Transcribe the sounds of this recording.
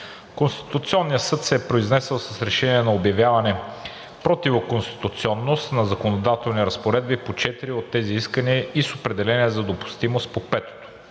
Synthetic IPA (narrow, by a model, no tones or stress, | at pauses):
konst̪i̥t̪ʊt̪siɔnːijəsɤt̪sɛpɾoiznɛsɛlˠsɐsɾɛʃɛniɛnɐobjɐvjavɐnɛ | pɾɔt̪ivokonst̪i̥t̪ʊt̪siɔnːost̪nɐzɐkonod̪at̪ɛlˠniɾɐspoɾɛd̪bipot͡ʃɛt̪iɾiot̪ːɛziiskəniəisopɾɛd̪ɛlɛniəzɐd̪opʊ̥st̪imost̪̚popɛt̪o̥t̪o̥